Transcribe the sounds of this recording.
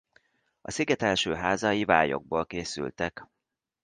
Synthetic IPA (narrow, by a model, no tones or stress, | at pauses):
ɒsiɡɛt̪ɛlʃøːɦaːzɒjiva̰ːjo̞̰ɡ̚boːlkeːsy̰lt̪ɛk